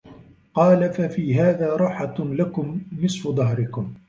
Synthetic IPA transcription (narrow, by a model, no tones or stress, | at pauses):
qɑːlafafiːɦaːðaːɾˤɑħatlakʊmːɪsfʊd̪ˤɑɦɾɪkʊm